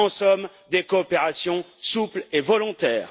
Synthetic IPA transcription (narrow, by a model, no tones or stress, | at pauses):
ɑ̃sɔm | d̪ekɔːpeʁasjɔ̃ | suplevɔlɔ̃t̪ɛːʁ